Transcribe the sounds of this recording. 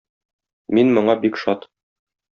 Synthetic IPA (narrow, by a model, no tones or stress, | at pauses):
minmɤ̆ɴɑbikʃɒt̪